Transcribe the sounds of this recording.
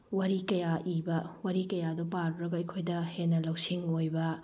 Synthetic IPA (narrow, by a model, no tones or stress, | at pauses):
wɐɾikɐjaʔibɐwɐɾikɐjadopaɾbɾɐɡɐɐjkʰojdɐhenːɐlɐwsiŋojbɐ